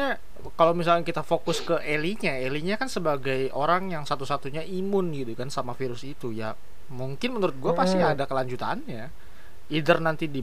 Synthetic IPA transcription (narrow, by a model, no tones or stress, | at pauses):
a | kalowmis̬alkakit̪afokʊskəʔeliɲaeliɲakansəbaɡajʔoɾaŋjaŋsat̪usat̪uɲaʔimʊnɡit̪ukansamafiɾʊsit̪uja | muŋkɪnmənuɾʊt̪̚ɡuapast̪iadakəlaɲd͡ʒut̪a̰nja | idərnant̪idi